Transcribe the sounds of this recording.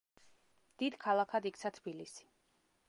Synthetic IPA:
d̪̥id̪kʰalˠakʰad̪ikt̪sʰat̪ʰb̥ilisi̥

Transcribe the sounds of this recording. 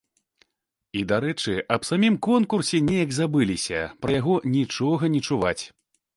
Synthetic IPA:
id̪aɾɛt͡ʂɨʔɐpsamʲimkɔnkursʲɛnʲejɐɡzabɨlʲisʲɐ̰pɾɐjaɣɔnʲit͡ʂɔɣɐnʲit͡ʂuvat͡sʲ

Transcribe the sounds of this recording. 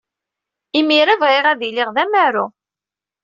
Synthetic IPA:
imiɾævʁiʁæðilɪʁðæmæɾṵ

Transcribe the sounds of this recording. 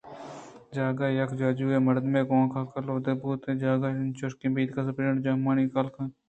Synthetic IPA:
d͡ʒaːɡaːjɐkʰd͡ʒaːd͡ʒuːeːmɐɾd̪mẽːkoãːkʰaːkɐɾloːd̪ebuːt̪ẽːd͡ʒaːɡaːnt͡ʃoʃkĩːbiːd̪kas̬ɐpɾeːəɳʈd͡ʒaːmaːniːkaːlkãː

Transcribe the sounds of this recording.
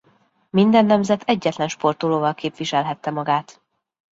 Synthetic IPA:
mind̪ɛnːɛmzɛt̪ʰɛɟːɛt̪lɛnʃpo̞rt̪oloːvɒlkeːpʋiʃɛlɦɛt̪ːɛmɒɡaːt̪

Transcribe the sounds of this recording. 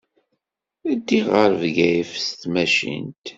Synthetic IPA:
æd̪ːiʁəɾvɡæjfst̪mæʃḭnt̪

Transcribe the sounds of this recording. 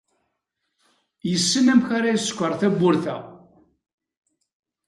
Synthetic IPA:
jəsːənæmçaɾajiskʷːəɾˤθæbːʊɾθæ̰

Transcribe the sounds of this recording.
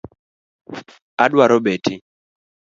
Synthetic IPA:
adwaɾɔbeti

